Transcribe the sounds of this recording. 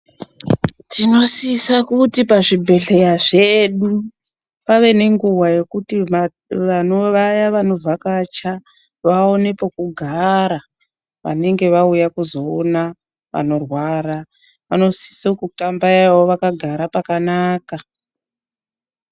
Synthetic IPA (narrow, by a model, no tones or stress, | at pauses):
tino̞siːsakutipaʐibʱe̞ɮe̞jaʐeɗu | paʋe̞ne̞ŋɡuwaje̞kutia | ʋano̞ʋajaʋano̞vʱakat͡ʃa | ʋaone̞pokuɡʱaɾa | ʋa̰ne̞ŋɡe̞ʋaujakuzoːna | ʋa̰no̞rwaːɾa | ʋano̞si̥sokutambaawoʋakaɡʱaɾapakanaːka